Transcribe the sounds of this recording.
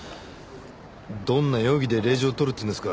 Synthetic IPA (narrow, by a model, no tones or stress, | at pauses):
d̪õ̞nːajo̞ːɡʲid̪eɾe̞ːʑioːt̪oɾɯ̟t̪ːeɯ̃nd̪esɨ̥ka